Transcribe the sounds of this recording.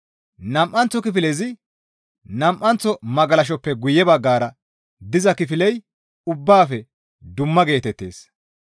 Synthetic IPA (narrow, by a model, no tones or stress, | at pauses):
nɐmʔɐnt͡sːɔkɪfɪlɛzɪ | nɐmʔɐnt͡sːɔmɐɡɐlɐʃ̬ɔpːɛɡʊjɛbɐɡːaːɾɐ | d̪ɪzɐkɪfɪlɛj | ʊbːaːfɛ | d̪ʊmːɐɡe̞ːt̪ɛt̪ːe̞̰ːs